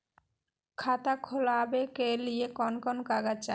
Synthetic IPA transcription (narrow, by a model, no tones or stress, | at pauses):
kʰat̪akʰolabekeliekɔnkɔnkaɡat͡ɕa̰